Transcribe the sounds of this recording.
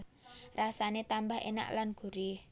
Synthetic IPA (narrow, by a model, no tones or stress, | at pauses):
rasanet̪ambaɦḛna̰ʔlanɡ̥ṳɾih